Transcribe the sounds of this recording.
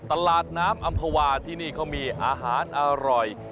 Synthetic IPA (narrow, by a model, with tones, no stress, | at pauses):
t̪a˧laː˨˩t̪̚naː˦˥mʔa˧mpʰaː˧waː˧t̪ʰiː˥˩niː˥˩kʰaː˦˥˩wmiː˧ʔaː˧ɦaː˩˦nʔaː˧ɾɔ˨˩j